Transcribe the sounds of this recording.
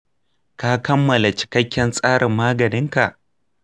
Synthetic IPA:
kaː˦kɐ˦mːɐ˨la˨t͡ʃɪ̥˨kɐ˦kʲːɛ˦nsʼaː˦ɽɪ˨mːaː˦ɡɐ˨nɪ˦ŋka˨ʔ

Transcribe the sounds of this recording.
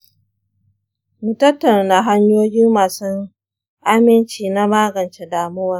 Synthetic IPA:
mu˨tɐ˦tːɐ˨n˨na˨ɦa˦ɲjoː˦jɪ˦mmaː˨sʊ˦ŋ | ʔa˦mɪ˦nt͡ʃiː˨na˦maː˦ɡɐ˨nt͡ʃe˨daː˨mʊ˦waː˦

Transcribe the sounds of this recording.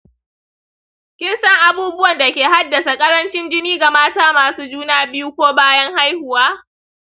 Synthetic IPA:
kʲɪ˦nsɐ˦ŋʔa˦buː˦bʊ˦wɐ˨nda˨kʲeː˨ɦa˦dːɐ˨sa˨kʼɐ˦ɾɐ˦nt͡ʃɪ˦nd͡ʒɪ˦niː˦ɡa˨maː˦taː˦maː˨suː˦d͡ʒuː˦naː˦bɪ˦ju˦kʷoː˦baː˦jɐ˦ŋha˦jhʊ˨waː˦

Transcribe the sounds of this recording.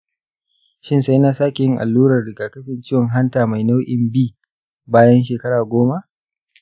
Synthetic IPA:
ʃɪ˦nsa˦jnaː˦˨saː˦kʲe˨jɪ˦ŋʔa̰˨lːuː˦ɾɐ˨rdɪ˨ɡaː˨kɐ˦ɸɪ˦nt͡ʃɪ˦wɔ˨ŋɦa˦ntaː˨ma˨jna˦wʔɪ˨mbiː˦ | baː˦jɐ˦nʃ̬eː˨kɐ˦ɽaː˨ɡʷoː˦ma˦ʔ

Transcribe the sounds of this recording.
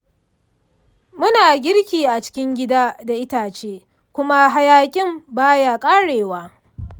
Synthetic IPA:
mʊ˦naː˨ɡʲɪ˦ɽkʲiː˨ʔa˨t͡ʃɪ̥˦kʲɪ˦ŋɡʲɪ˦daː˦da˨ʔɪ˦taː˨t͡ʃeː˦ | kʷʊ˦ma˦ɦa˦jaː˦kʲʼɪ˦mbaː˦ja˦kʼaː˦ɽeː˨waː˦

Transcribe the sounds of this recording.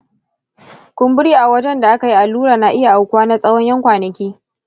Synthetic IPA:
kʷʊ˦mbɪ˦ɽiː˦ʔa˨wɐ˦d͡ʒɛ˦nda˨ʔa˦ka˨ji˦ʔa˨lːuː˦ɽaː˨na˨ʔɪ˦ja˨ʔa˨wkʷaː˦na˦sʼɐ˦wɔ˦ɲjɐ˦ŋkʷaː˨nɐ˨kʲiː˦

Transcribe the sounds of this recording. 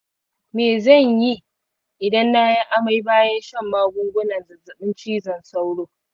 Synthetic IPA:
meː˨zɐ˦˨ɲji˦ | ʔɪ˨dɐ˦nːa˦ji˦ʔa˦ma˦jbaː˦jɐ˦nʃɐ˦mːaː˦ɡʷʊ˦ŋɡʷʊ˦nɐ˨nzɐ˨zɐ˨ɓɪ˦nt͡ʃiː˦zɐ˦˨nsa˦wɽoː˦

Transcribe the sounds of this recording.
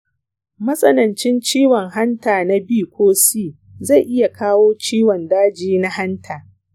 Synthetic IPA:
mɐ˦sʼɐ˦nɐ˨nt͡ʃɪ˦nt͡ʃiː˦wɔ˨ŋɦa˦ntaː˨na˦biː˦kʷoː˦siː˦˨ | zɐ˦˨jʔɪ˦ja˨kʰaː˦woː˦t͡ʃiː˦wɔ˨ndaː˦d͡ʒiː˦na˦ha˦ntʰaː˨

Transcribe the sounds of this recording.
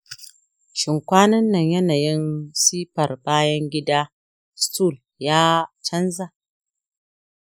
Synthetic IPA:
ʃɪ˨ŋkʷaː˦nɐ˦nːɐ˨ɲjɐ˦naː˨jɪ˦nsiː˦ɸɐ˨rbaː˦jɐ˦ŋɡʲɪ˦daː˦ | stuː˦˨l | jaː˦t͡ʃɐ˦nza˨

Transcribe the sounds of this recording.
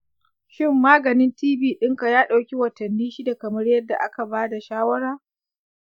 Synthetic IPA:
ʃɪ˦˨mːaː˦ɡɐ˨nɪ˦ntiː˦biː˦ɗɪ˦ŋka˨jaː˦ɗa˨wkʲi˦wɐ˨tɐ˨nːiː˦ʃi˦da˨kɐ˨mɐ˦ɽjɐ˦dːa˨ʔa˦ka˨baː˦da˨ʃaː˦wɐ˦ɽaː˦

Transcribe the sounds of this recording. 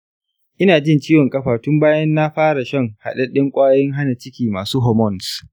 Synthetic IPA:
ʔɪ˦naː˨d͡ʒɪ˦nt͡ʃiː˦wɔ˨ŋkʼɐ˦ɸaː˨tʊ˦mbaː˦jɐ˦nːa˦ɸaː˦ɽa˨ʃɐ˦˨ŋha̰˨ɗɐ˦ɗɪ˦ŋkʷʼaː˦jɐ˦ŋɦa˦na˨t͡ʃɪ˦kʲiː˨maː˨suː˦ɦɔ˨mɔ˦˨ns

